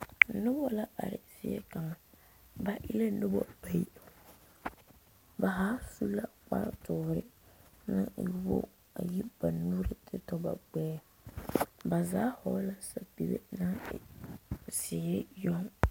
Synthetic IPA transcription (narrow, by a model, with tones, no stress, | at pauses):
nʊ˦bɔ˦la˦ʔa̰˨ɾɪ̰˨sɪ˦jɛ̰˦ka˨ŋa˨ | ba˨ʔi˦la˦nɨ˦bɔ̰˦ba˨i˦˨ | ba˨ɦaː˦su˦la˦k͡pa̰˦ɾtʊ˨˦˨ɾɪ̰˦nɨ˦˨ju˦bo̰˦ | a̰˨ji˦b̥a˨nu˦ɾɨ˦tʰɨ˦tɔ˦ba̰˨ɡ͡bɛː˦ | ba˨zaː˦hɔ̰˨˦la˦sa˦bi˨bɛ̰˦na˦˨ | sɪ˨ɛ˦jɔ˦ŋ